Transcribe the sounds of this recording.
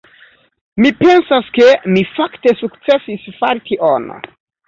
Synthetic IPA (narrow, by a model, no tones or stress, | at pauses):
mipe̞nsaskemifakte̞sukt͡se̞sisfaɾtʰiʔono̰